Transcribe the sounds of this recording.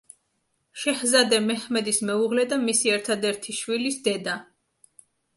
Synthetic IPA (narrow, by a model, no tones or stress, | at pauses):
ʃɛhzad̪ɛmɛhmɛd̪ismɛuʁlɛd̪amisiɛɾt̪ʰad̪ɛɾt̪ʰiʃwilisd̪ɛd̪a